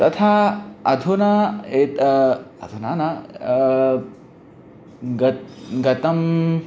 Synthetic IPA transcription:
t̪ɐt̪ʰaːɐd̪ʱunɐet̪ɐd̪ʱuna̰ːnɐ | ɡɐɡɐt̪ɐm

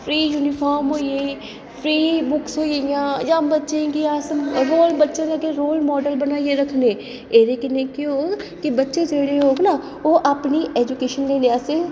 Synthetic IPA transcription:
pʰɾiːjuːnɪpʰaːɾmɦoːieː | pʰɾiːbʊksɦoːijãːd͡ʒãːmbətːʃẽkiaːsɾoːlbətːʃẽːd͡ʒakeɾoːlmɔːɖəlbənaːieɾəkʰneː | eːɾeːkɪnẽːkiɦoːɡkibətːʃeːd͡ʒeːɽeɦoːɡnaː | oːʔaːpniʔɛːd͡ʒʊkeːʃənleːlɪaːseː

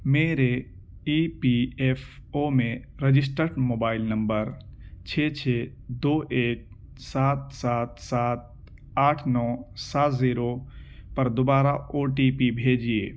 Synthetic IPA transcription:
meːɾe | iːpiefʰoːmẽɾed͡ʒɪs̬ʈəɾʈmoːbaːɪlnɐ̃mbəɾt͡ʃʰeːt͡ʃʰeː | d̪oːʔeːk̚ | saːt̪̚saːt̪̚saːt̪̚ | aːʈʰnɔːsaːt̪ziːɾopɐɾd̪obaːɾaoːʈipibʱeːd͡ʒieː

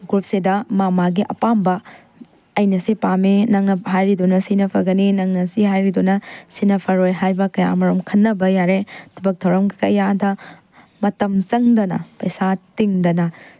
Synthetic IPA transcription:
ɡɾup̚sidɐmamaɡiʔɐ̰pambɐː | jnɐsipaminɐŋnɐɦajɾidunɐsinɐpʰɐɡɐninɐŋnɐsiɦajɾidunɐsinɐpʰɐɾojɦajbɐkɐja̰mɐɾomkʰɐnːɐbɐjaɾetʰɐbɐk̚dʰɐwɾɐmɡkɐjadɐ | mɐtɐmt͡ʃɐŋdɐnɐ̰pɐjsatiŋdɐnɐ

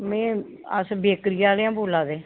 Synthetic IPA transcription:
mɛ̃ː | ə̰sbeːkɾɪjaːleãːboːlaːd̪eː

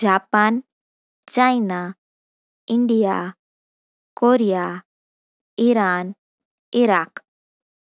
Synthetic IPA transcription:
d͡ʒaːpan | t͡ʃaina | iɳɖija̰ | koɾija | iɾaːn | iɾaːk

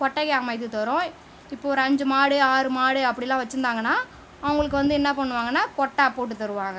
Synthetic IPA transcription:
kɔʈːɐkjaːmɐɪt̪ːɯt̪ɔɾõ | ɪpːoːɾɐɲd͡ʒɯmaːɽɯaːɾɯmaːɽɯɐpːɐɽɪlːãːʋɐt͡ʃːɯɾɯnd̪aːŋɡɐnːaː | ɐʋɐŋɡɐɭɯk̬ːɯʋɐnd̪ɯɪnːɐpɐɳːɯʋaːŋɡɐnːaːkɔʈːɐpːoːʈ̬ːɯt̪ɐɾɯʋaːŋɡɐ

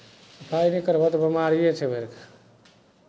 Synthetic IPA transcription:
səpʰajnikəɾbat̪ɔbimaɾijet͡ʃʰɛbʱeɾkḁ

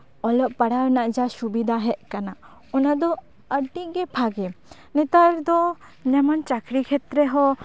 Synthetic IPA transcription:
ɔlɔʔpaɽawnaʔd͡ʒasubid̪ʱaɦɛʔ̚kana | ɔnad̪ɔ | əʈiɡɛpʰaɡɛ | nɛt̪aɾd̪ɔ | ɲamant͡ʃakɾikʰɛt̪ɾɛɦɔ

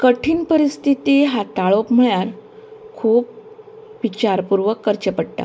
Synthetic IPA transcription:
kəʈʰiːnpəɾist̪ʰit̪iɦat̪aɭopm̤əɭjaɾkʰuːp̚ | ʋit͡ɕaɾpuɾʋəkːəɾt͡ɕəpəɽʈ̪a̰

